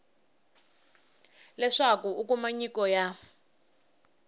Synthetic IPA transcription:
lɛʂakuukumaɲikɔja

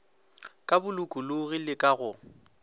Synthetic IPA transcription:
kʼabʊlʊkʼʊlʊɣilɪkʼaɣʊ

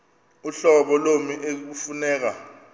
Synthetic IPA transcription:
uɬɔɓɔlomiʔek̬ufunɛːk̬a

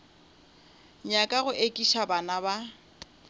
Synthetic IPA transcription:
ɲakʼaɣʊʔekʼiʃabanaba

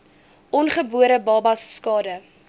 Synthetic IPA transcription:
ʔɔnχəbuəɾəbɑːbɐsːkɑːdə

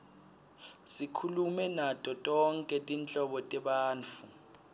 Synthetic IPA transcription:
sikʰulumɛnatʼɔtʼɔŋkʼɛtʼint͡ɬʼɔɓɔtʼɛɓaːnt͡fʰu

